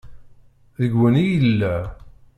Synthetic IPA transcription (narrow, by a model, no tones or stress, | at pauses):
ðəɡwənijəlːæ